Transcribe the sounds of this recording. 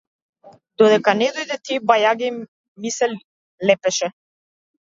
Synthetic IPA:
d̪ɔd̪ɛkanɛd̪ɔjd̪ɛt̪ibajaɡɛ | misɛ | lɛpɛʃɛ

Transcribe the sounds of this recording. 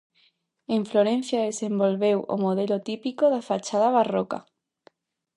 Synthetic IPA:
eɱfloɾẽn̟θjaðesembolβewo̰moðelot̪ipikoðafat͡ʃaðaβaroka̰

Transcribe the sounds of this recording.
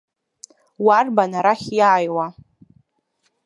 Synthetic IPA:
warbanaɾaχʲjaːjwa

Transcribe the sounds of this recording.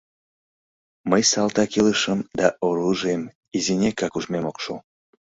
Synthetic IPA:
məjsɑlt̪ɑkiləʃəmd̪ɑʔoɾuʒem | izinʲekɑkuʒmemokʃo̰

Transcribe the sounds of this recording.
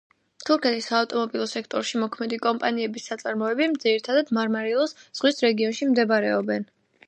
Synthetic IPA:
t̪ʰuɾkʰɛt̪ʰisaːft̪ʼɔmɔbilˠɔsɛkʰt̪ʼɔɾʃimɔkʰmɛd̪ikʼɔmpʼaniɛbisːat̪sʼaɾmɔɛbimd̪ziɾit̪ʰad̪ad̪maɾmaɾilˠɔsz̥ʁwisɾɛɡiɔnʃimd̪ɛbaɾɛɔbɛn

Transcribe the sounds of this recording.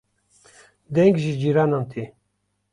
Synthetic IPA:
d̪ɛŋɡʒid͡ʒiɾanant̪ʰi

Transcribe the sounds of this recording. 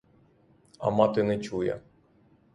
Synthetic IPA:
ɐ̰mɑt̪ɪnɛt͡ʃujɛ̰

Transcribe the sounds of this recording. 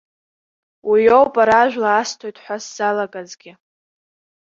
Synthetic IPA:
wijo̞wpʼaɾaʒʷᶣlaːstʰo̞jtʼħʷasz̥alaɡʼazɡʲɪ

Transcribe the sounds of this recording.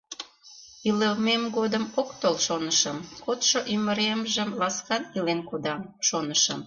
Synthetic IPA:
iləmemɡod̪əmokt̪olʃonəʃə̆mkot̪ʃoʔyməɾemʒə̆mlɑskɑnilenkod̪ɑmʃonəʃəm

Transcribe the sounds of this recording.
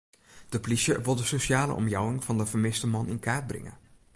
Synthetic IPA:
d̥əplisjəʋɪlˠdəsoʃaːlə̰ʔɔ̰mjɑwɪŋvɑndəvəɹmɪstəmɑnɪnkʰaːt̚brɪ̰ŋə̰

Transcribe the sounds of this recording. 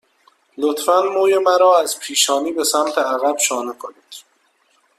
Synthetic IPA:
lot̪fænmoːjemæɾɒːæzpʰiːʃɒːniːbe̞sæmt̪ʰeæɣæb̥ʃɒːnekʰoniːd̪̥

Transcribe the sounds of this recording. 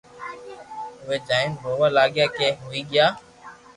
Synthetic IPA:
ʊʋeːd͡ʒaːɪnboːʋaːlaːɠjaːkeːɦoːiːɠɪjaː

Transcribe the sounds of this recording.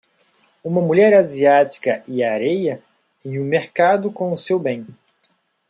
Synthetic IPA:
ũmɐmuʎɛɾaziati̥kɐʔɪaɾejɐ | ẽj̃ũmeɾkad̪ʊkõʊsewbẽj̃

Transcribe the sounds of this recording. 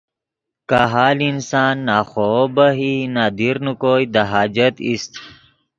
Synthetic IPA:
kaɦaːlinsaːnːaːxoːbɐɦinaːd̪iɾnukoːid̪aɦaːd͡ʑɐt̪ḭst̪

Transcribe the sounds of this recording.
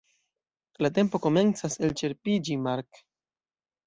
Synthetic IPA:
late̞mpo̞ko̞me̞nt͡sase̞lt͡ʃe̞ɾpid͡ʒimaɾk

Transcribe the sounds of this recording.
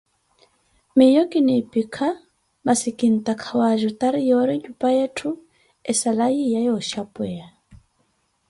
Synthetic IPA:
mɪjɔkʼinipʼikʰa | masikʼin̩tʼakʰawaʒɔtʼaɾijɔɾiɲupʼajɛtʰʊ | ɛsalajijajɔʃapʼwɛa

